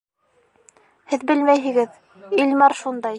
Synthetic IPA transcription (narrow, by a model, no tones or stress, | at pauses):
hɘðbɘlmæjɦɘ̆ɡɘð | ilmɑɾʃund̪ɑj